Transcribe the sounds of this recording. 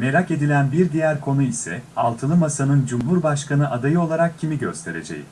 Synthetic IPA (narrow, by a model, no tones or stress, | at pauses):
meɾake̞d̪ilʲænbiɾd̪ijæɾkʰo̞nuisɛ̰alˠt̪ʰɯlˠɯmasanɯnd͡ʒumɦuɾbaʃkʰanɯʔad̪ajɯo̞lˠaɾak̚cʰimiɟø̞st̪ʰe̞ɾe̞̰d͡ʒḛjḭ